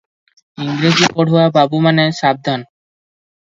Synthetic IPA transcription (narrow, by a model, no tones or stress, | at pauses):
iŋɡɾed͡ʑipɔɽ̤ʱoababumaneʃab̚d̪ʱan